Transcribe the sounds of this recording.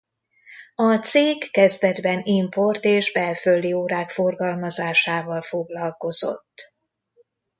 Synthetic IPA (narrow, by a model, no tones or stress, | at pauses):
ɒt̪seːkːɛzd̪ɛd̪bɛnimpo̞rt̪eːʒbɛlfølːioːɾaːkfo̞rɡɒlmɒzaːʃaːvɒlfo̞ɡlɒlko̞zo̞̰t̪ː